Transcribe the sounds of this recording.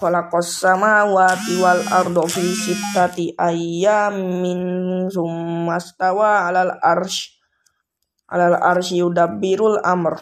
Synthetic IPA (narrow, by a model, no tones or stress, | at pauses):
kɔlakɔsamawat̪iwala̰rdofisip̚t̪at̪iʔajaminsumast̪awaːlalarʃ | ʔa̰lala̰rʃiudabiɾula̰mər